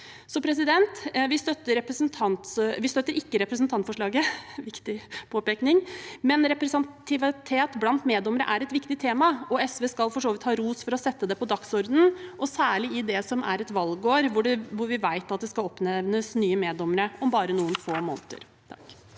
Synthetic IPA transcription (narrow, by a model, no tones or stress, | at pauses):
sɔpʰɾɛs̬ɪd̪ɛnt̪ʋɪst̪œt̪ːəɾɛpɾəsənt̪ʰɑnt̪sʋɪst̪œt̪ːəɾɪkːəɾɛpɾəs̬nt̪ʰɑnt̪fɔʂɭɑːɡəʋɪkt̪ɪpʰoːpɛːknɪŋmɛnɾɛpɾɛsɑnt̪ʰɪʋɪt̪ʰeːt̪blɑnt̪meːd̪ɔməɾə̰ʔæɾɛt̪ʋɪkt̪ɪt̪ʰeːmɑɔɛsʋeːskɑlfɔʂoːʋɪt̪hɑːɾuːsfɔɾɔsɛt̪ːəd̪ɛpɔd̪ɑksɔɾd̪nn̩ʔɔsæːɭɪɪd̪ɛsɔmæ̰ɾɛt̪ʋɑlɡoːɾʋʊɖɛʋʊɾʋɪʋæɪt̪ɑt̪̚d̪ɛskɑlɔpnɛʋnəsnyːəmeːd̪ɔməɾəɔmbɑːɾənuːənfoːmɔ̰nət̪ə̰ɾ | t̪ʰɑk